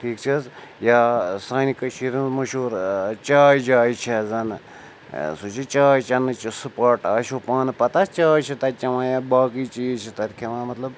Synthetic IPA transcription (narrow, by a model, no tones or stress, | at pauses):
ʈʰiːk̚t͡ʃʰizjaːsaːnikɐʃʰiɾinzmɐʃuːɾt͡ʃaːjd͡ʒaːjt͡ʃʰezɐnɨ | sut͡ʃʰit͡ʃaːjt͡ʃɐnːɨt͡ʃisɨpɐɾʈaʃʰupaːnɨpɐt̪ɐst͡ʃaːjt͡ʃʰit̪ɐt͡ʃɐʋãːjabaːkit͡ʃiːzt͡ʃʰit̪ɐɾkʰiʋãːmɐt̪lɐb